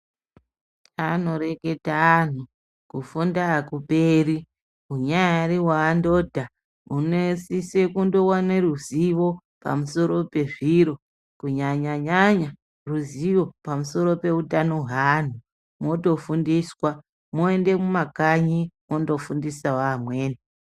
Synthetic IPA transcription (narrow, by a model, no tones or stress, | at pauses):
ano̞ɾe̞ke̞taːn̤u | kufundaːkupeːɾi | uɲaaɾiwaːndo̞ːdʱa | unesisekundo̞waneruziʋo̞ | pa̰muso̞ɾo̞pe̞ʐiɾo̞ | kuɲaɲaɲaɲa | ruziʋo̞pamuso̞ɾo̞pe̞utano̞ɦan̤u | mo̞to̞fundiswa | moende̞mumakaɲimo̞ndo̞fundisawaːmweːne